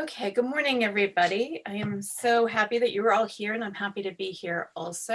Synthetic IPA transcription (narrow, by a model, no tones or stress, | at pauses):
oʊkʰeɪɡʊd̚mɔɹnɪ̃ŋɛvɹibɑɾiaɪɨ̃msoʊɦæpiðɨt͡ʃɨə˞ɔlˠhiɹɨ̃nãɪ̃mhæpiɾɨbihiɹɔlˠso